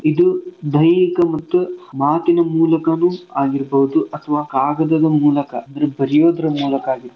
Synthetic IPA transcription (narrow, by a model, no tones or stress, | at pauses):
id̪ud̪ɐjnikɐmɐt̪ːumaːt̪inɐmuːlɐkɐnuːaːɡiɾbɐɦud̪uʔɐt̪ʰɐʋaːkaːɡɐd̪ɐd̪ɐmuːlɐkɐɐd̪ɐɾebɐɾijo̞ːd̪ɐɾɐmuːlɐkaːɡiɾ